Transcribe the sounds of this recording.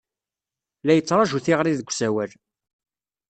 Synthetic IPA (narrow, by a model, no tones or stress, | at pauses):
læjət͡sːɾˤɑʒuθiʁɾiðəɡʷːsæwæl